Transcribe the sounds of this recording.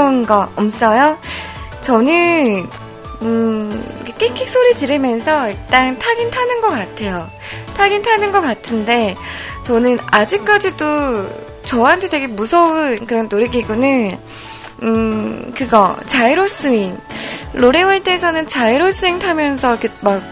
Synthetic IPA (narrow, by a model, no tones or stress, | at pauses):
unɡaʌms͈ʌjo | t͡ɕʌnɯn | ɯḭkʰek͈ekʰik̚s͈ʰoɾitiɾɯmjʌnsʰʌiɭt͈aŋtʰaɡintʰanɯnɡʌk͈atʰe̞jo | tʰaɡintʰanɯnɡʌk͈atʰɯnde̞t͡ɕʌnɯnad͡ʑik̚k͈ad͡ʑido | t͡ɕʌɦantʰe̞tʰe̞ɡe̞musʰʌɯnkɯɾʌnːoɾeɡiɡunɯn | ɯkɯɡʌt͡ɕaiɾoɭs͈ɯiŋloɾewʌɭt͈esʰʌnɯnt͡ɕaiɾoɭs͈ɯintʰamjʌns̬ʰʌkʰemak̚